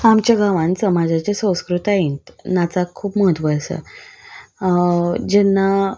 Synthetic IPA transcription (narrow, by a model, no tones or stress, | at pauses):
amt͡ɕjaɡaʋãnsəmad͡ʑat͡ɕesə̃w̃skɾut̪aɦint̪nat͡sakʰuːpməɦət̪ʋəjsə̰ | d͡ʑɛnːa